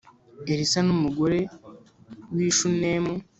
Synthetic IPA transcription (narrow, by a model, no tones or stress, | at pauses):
eɾisanumuɡo̞ɾe̞ | wiːʃunemu